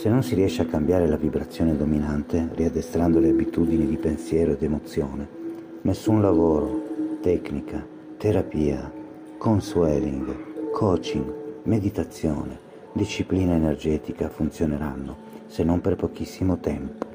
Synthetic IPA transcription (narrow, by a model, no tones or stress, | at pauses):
senːonsiriɛʃːeakːambjaːɾelavibɾat̪sːjɔːned̪ominant̪eriad̪ːest̪ɾand̪oleabit̪ud̪inid̪ipensjɛːɾoed̪emot̪sːjoːne | nesːunlavoːɾot̪ɛknikʰa | t̪eɾapiːa | konsuɛɛliŋɡkʰoːt͡ʃiŋɡmed̪it̪at̪sːjoːne | d̪iʃːipliːnaenerd͡ʒɛːt̪ikafunt̪sjoneɾanːo | senːomperpokisːimot̪ɛmpo̥